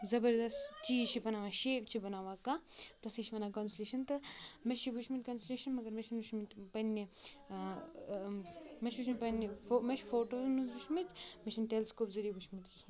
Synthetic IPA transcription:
zɐbɐɾd̪ɐstt͡ʃiːzt͡ʃʰibɐnaːʋaʃeːpt͡ʃʰibɐnaːʋaːkat̪ɐsiʃʰʋɐnakɐnslʲeːʃɐnt̪ɨmɐʃibut͡ʃʰmit̪ʲkɐnslʲeːʃɐnmɐɡɐɾmɐʃʰinuʃmit̪ʲpɐnʲːi | mɐʃʋuʃmipɐnːifomɐʃfoːʈoːzmɐnzbut͡ʃʰmitʲmɐʃʰinʈelskoːpzɐɾibut͡ʃʰmit̪k

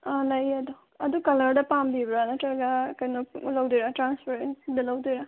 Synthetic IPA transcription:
alɐjɐd̪u | ɐd̪ukɐlɐɾdɐpambibɾanɐtɾɐɡakɐjnulɐwdiɾatɾanspʰeɾendɐlɐwd̪iɾa

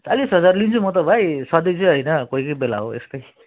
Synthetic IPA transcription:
t͡salisɦʌd͡zarlint͡sʰumʌt̪ʌbʱajsʌd̪ʌjt͡sʌj̃ɦʌjnʌkoikʌjbela̰ɦo̰ḛsk̪ʌj

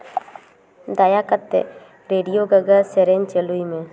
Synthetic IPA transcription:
d̪ajakət̪ːḛ | ɾeːɖijoːɡəɡaseɾent͡ʃeluimẽ

